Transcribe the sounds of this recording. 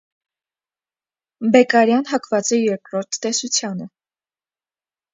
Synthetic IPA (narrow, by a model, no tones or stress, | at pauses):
bɛkɑɾjɑnɦɑkvɑt͡sɛjɛɾkɾɔɾt̪ʰːɛsut͡sʰjɑnə